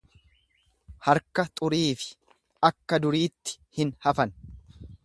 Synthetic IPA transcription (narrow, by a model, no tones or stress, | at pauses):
hɐɾkɐt̪ʼʊɾiːfɪ̥ | ɐkːɐd̪ʊɾiːt̪ːɪ̥ | hɪnhɐfɐn